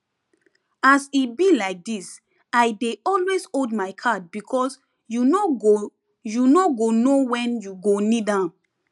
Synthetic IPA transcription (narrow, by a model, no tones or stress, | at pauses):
asibilaɪk̚dis | ajdeʔɔlwesodmaɪkʰad̚bikʰɔs | juo | junoɡonowɛ̃njuɡonidãm